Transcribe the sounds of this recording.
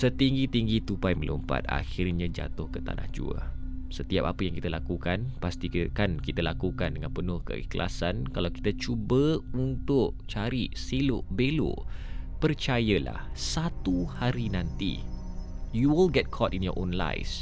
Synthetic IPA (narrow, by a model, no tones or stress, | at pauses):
sət̪iŋɡit̪iŋɡit̪upajməlṵmpa̰t̪̚a̰xirɲãd͡ʒa̰t̪ʊhkət̪a̰nʔa̰hd͡ʒṵə̰ | sət̪iap̚apəjaŋkit̪əlakukanpast̪ikankit̪əlakukandəŋãnpənʊhkə̰ḭklʔa̰sankalawki̥t̪at͡ʃubəunt̪ʊʔt͡ʃaɾisilʊʔbelo̰pərt͡ʃajəla̰hsat̪uhaɾinãnt̪ḭ | juwilɡɛt̚kʰɔtinjɔ̰ʔõnla̰js